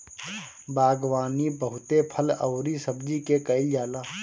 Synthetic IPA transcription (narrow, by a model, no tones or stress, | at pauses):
baːɡwaːnibəɦʊt̪epʰələ̰ʊɾisəbd͡ʒikekəɪljaːlaː